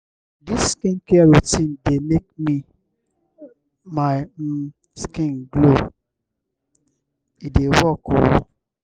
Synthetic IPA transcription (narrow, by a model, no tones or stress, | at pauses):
disskĩnkɛaɾotĩndemek̚mi | ma | skĩnɡlo | idewɔkɔwɔ̰